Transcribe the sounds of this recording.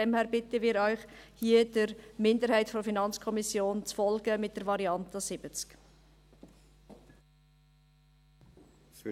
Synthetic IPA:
ɛmhæːɾbɪtəmɪːɾœʏχhiəd̥əɾmɪndəɾhæɪtfɔɾfinɑnt͡skʰɔmisjoːnt͡sfɔlɡəmɪt̚d̥əɾvɑɾiɑntəsɪb̥ət͡sk

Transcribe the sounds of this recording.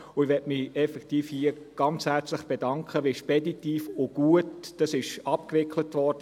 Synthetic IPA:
ʊɪʋɛtmɪɛfɛktiːfhiə | ɡ̥ɑnt͡shæɾt͡sləχb̥edɑŋkχəʋeʃpɛditiːfʊɡ̥uətd̥ɑsɪʃɑpkʋɪklətʋɔɾd̥ə

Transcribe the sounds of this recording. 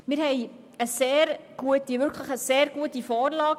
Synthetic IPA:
miɾɦɛj | əseːrɡ̥uətivɵrkʰləχəseːrɡ̥uətifɑːrlɑːk

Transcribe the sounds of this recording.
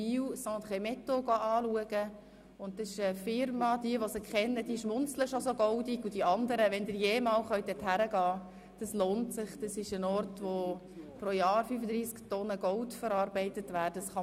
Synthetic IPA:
iːwsɑ̃ːt̪χɛmɛt̪oɡɔʔɑːluəɡə | ʊntdɑsɪʃəfɪɾmɑd̥iəʋɔsəkχɛnːəd̥iəʃmʊnt͡sləʃosoɡɔwdiɡud̥iɑnd̪əɾəʋɛndɪɾjeːmɑːlχœʏt̚ɛthæɾəɡɑː | d̥ɑsloːntsɪχd̥ɑsɪʃənɔrtʋo | pɾojɑːɾfyfəd̪ɾiːsktɔnəɡɔwtfəɾɑːɾbɛɪtətʋæːdəsχɑ

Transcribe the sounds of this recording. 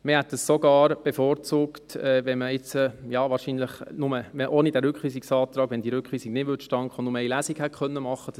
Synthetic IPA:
mɪhɛt̚d̥əssoɡɑːɾb̥efoːɾt͡suːktɛːʋɛnməɪt͡səjɑːʋɑːɾʃiːnləχnʊməɛʔoːnid̥æɾʏkʰʋiːsiksɑːt̪ɾɑːɡʋɛndiɾʏkχʋiːsiɡnɪdʋʏtʃtɑŋkχonnʊməɛɪlæːsiɡhɛtχœnːəmɑχːəd̥

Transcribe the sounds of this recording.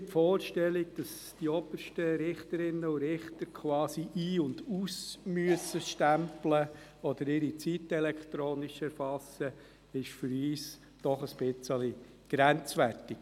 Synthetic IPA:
tfɔːɾʃtɛliɡ̚d̥ɑs | d̥iɔbərʃtəɾɪχtəɾɪnːəʊɾɪχt̪əɾkʰwɑːsiʔiːʊndusmyəsəʃtæmplə | ɔd̪əɾɪɾit͡sit̪ɛlɛkt̪ɾoːnɪʃɛɾfɑsːə | ɪʃfʏɾiːs | d̥ɔχəsb̥ɪt͡sɛli | ɡ̥ɾænt͡sʋærtɪk

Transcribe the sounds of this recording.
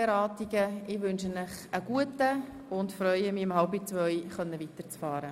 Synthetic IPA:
eɾɑːtiɡəɪʋɵnʃənɪχəɡ̥uətə | ʊndfɾœʏəmiːɪmhɑlbit͡svœʏχœnːəvitəɾt͡sfɑːɾə

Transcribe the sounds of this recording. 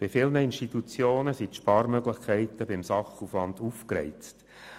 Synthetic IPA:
b̥ɪfɪlnəinʃtit̪ut͡sjoːnəsit̪ʃpɑːɾmœɡlɪχkʰɛɪt̪əbɪmsɑχuflɑnd̪ufkɾɛ̰ɪt͡st

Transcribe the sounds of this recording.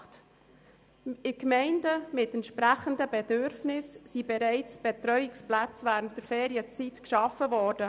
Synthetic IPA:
t | ɪkmɛɪndəmɪtɛntʃpɾæχəndəbɛdʏɾfnɪsːibɛɾɛɪt͡sb̥ɛtɾœʏɪksplat͡svæːɾənt̚d̥əɾfeːɾiət͡sitkʃɑfəvɔːɾd̥ə

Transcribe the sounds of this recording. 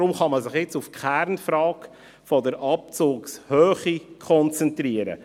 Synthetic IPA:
ɾʊmχɑmɑsɪχjɪt͡sufkʰæɾnfɾɑːk | fɔdəɾʔɑp̚t͡suːkshøːχikʰɔnt͡sɛntriːəɾə̰

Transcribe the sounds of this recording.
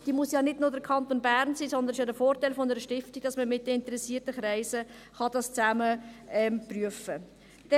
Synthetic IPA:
d̥iːmusjɑnɪdnʊdəɾkʰɑnt̪onbæɾnsiːsɔnd̪ənɪʃjɑːdəfoːɾtaɪlfɔnəɾəʃtɪftiɡ̥̚d̥ɑsməmɪt̚dɛɪntəɾɛsːiːtəχɾæɪsə | χɑd̥ɑst͡sæməɛmpryəfə | d̥ɛ

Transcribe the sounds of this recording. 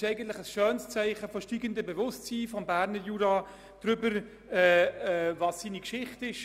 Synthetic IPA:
ɛɪɡən̩t̪lɪχəsʃœːnst͡sɛɪχəfɔʃtiːɡəndəbɛvʊstt͡siːfɔmbæːɾnəɾjuːɾɑ | d̥ɾʏbəɾ | ɛːɛvɑsːiːnikʃɪχtɪʃ

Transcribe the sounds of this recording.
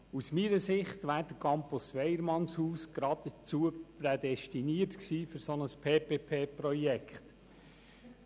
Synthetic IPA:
usmiːɾəsɪχtʋæːɾdəkʰɑmpusʋɛɪəɾmɑnshuːsɡ̥ɾɑdət͡suəpɾɛdɛstiniːəɾtksiːfʏɾsonəspʰeːpeːpʰeːpɾɔjɛkχt

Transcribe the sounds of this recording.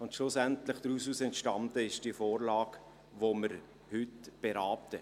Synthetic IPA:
ʊntʃlʊsæntlɪχd̥ɾusuːsɛntʃtɑndəɪʃd̥iəfoːɾlɑːɡ | ʋoməɾ | hʏtb̥ɛɾɑːp̚tə

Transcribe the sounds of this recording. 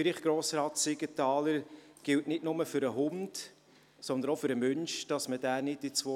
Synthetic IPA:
fɪɾɪχɡ̥ɾoːsɾɑːtsɪɡ̥ətɑːləɾɡ̥ɪltnɪtnʊməfʏɾəɦʊnd | sɔnd̪ənɔfʏɾəmœnʃd̥ɑsmədæːnɪt̚dit͡sʋo

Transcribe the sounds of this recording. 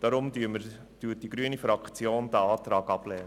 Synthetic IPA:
d̥ɑɾʊmdyməɾ | d̥yːət̚d̥iɡ̥ɾyənifɾɑkχt͡sjoːnd̪æɑːt̪ɾɑːɡɑb̥lɛːn

